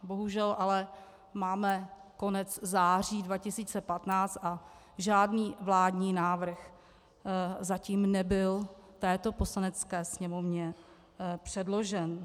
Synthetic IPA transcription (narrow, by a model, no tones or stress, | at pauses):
bo̞ɦuʒɛlʔalɛ | maːmɛko̞nɛt͡szaːr̝iːdvacɪsiːt͡sɛpat̪naːt͡st̪ʔa | ʒaːdniːvlaːdɲiːnaːvr̩x | zaciːmnɛbɪl | t̪ɛːt̪o̞po̞slanɛt͡skɛːsɲɛmo̞vɲɛ | pr̝̥ɛdlo̞ʒɛn